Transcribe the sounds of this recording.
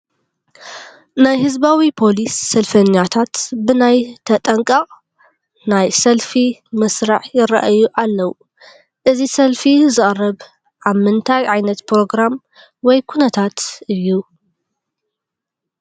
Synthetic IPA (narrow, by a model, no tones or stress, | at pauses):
najhɨzbawipʰo̞lisːɐlfɐɲːat̪ʰat̪bɨnajt̪ʰɐt̪ʼɐŋkʼɐqʼ | najsɐlfimɨsɾaʕjɪɾɐ̰ʔjuʔalːɐwu | ʔɨzisɐlfizɨχʼrɐβ | ʔaβmɨnt̪ʰajʕajnɐt̪pɾo̞ɡɾam | wɔjkʰunɐt̪ʰat̪ʔɨjːu